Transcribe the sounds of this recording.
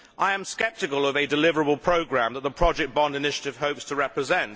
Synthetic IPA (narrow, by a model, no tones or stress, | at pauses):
ʔaɪə̃mskɛp̚tɨkəlˠəvɨdɪlɪvəɹəbəlˠpʰɹ̥əʊɡɹæ̃mðət̪̚ðəpʰɹ̥ɒd͡ʒɛk̚b̥ɒ̃ndɪnɪʃətɪv̥ɦəʊpstʰəɹɛpɹɨzɛ̃nt